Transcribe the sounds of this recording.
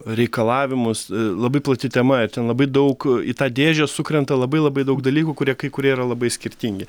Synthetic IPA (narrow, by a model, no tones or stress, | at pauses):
ɾʲɛɪkɐlˠɑːʋʲɪmʊslˠɐbɐɪplˠɐt̪ʲɪt̪ʲɛmɐɪɾt̪ʲɛnlˠɐbɐɪd̪ɐʊkḭt̪ɑːd̪ʲeːʒʲɛsʊkɾʲɛnt̪ɐlˠɐbɐɪlˠɐbɐɪd̪ɐʊɡd̪ɐlʲiːkuːkʊɾʲiɛkɐɪkʊɾʲiɛiɾɐlˠɐbɐɪsʲkʲɪɾʲt̪ʲiŋʲɡʲɪ